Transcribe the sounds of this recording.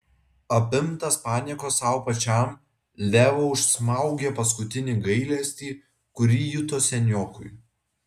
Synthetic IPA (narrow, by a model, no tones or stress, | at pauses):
ɐpʲɪmt̪ɐspɑːnʲɛːkoːsɑʊpɐt͡ʃʲɛˑm | lʲæːʋoːʊʃsmɐˑʊɡʲeːpɐs̬kʊt̪ʲɪnʲiɡɐɪlʲɛsʲt̪ʲiː | kʊɾʲiːjʊt̪oːsʲɛnʲoːkʊɪ